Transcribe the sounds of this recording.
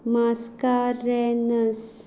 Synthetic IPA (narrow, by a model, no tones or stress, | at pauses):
maskaːɾɛnəs